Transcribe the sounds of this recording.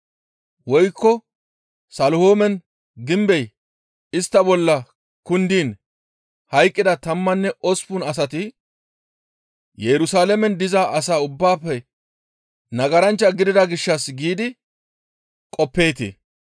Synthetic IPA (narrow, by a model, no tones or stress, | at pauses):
wɔjkːɔ | sɐlhoːmɛn | ɡɪmbɛj | ɪst̪ːɐbɔlːɐ | kʊnd̪iːn | hɐjkʼːɪd̪ɐt̪ɐmːɐnːɛɔspʊnɐs̬ɐt̪ɪ | jɛɾʊsaːlɛmɛnd̪ɪzaːʔɐsaːʊbːaːpːɛ | nɐɡɐɾɐnt͡ʃːɐɡɪd̪ɪd̪ɐɡɪʃːɐsɡiːd̪ɪ | kʼɔpːe̞ːt̪ɪ̰